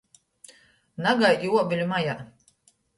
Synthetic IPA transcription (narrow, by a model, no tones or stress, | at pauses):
naɡajjuɔbʲilʲumaja